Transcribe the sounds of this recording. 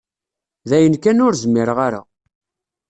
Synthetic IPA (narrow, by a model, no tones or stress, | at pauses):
ðæjənkænʊɾzmɪɾʁaɾa̰